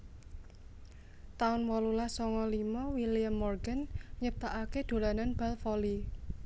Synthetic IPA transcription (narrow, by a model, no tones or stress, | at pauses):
t̪aʊnwɔlulahsɔŋɔlimɔwilijamːɔrɡanɲəp̚t̪aʔaked̪̥o̤lananb̥alfɔli